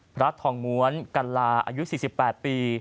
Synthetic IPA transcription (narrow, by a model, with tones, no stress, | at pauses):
pʰɾa˦˥t̪ʰɔː˧ŋmu˦˥ənka˧nlaː˧ʔa̰ː˧ju˦˥siː˨˩si˨˩pːɛː˨˩t̪̚piː˧